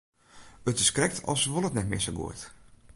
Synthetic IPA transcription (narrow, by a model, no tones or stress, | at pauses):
ətɪskrɛk̚tʰɔ̰lˠsʋolˠətnɛtmɪ̰səɡṵət